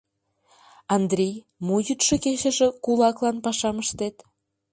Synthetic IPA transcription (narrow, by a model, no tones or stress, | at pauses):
ɑnd̪ɾʲej | mujyt̪ʃɤkeʃə̆ʒĕkulɑklɑnpɑʃɑməʃt̪et̪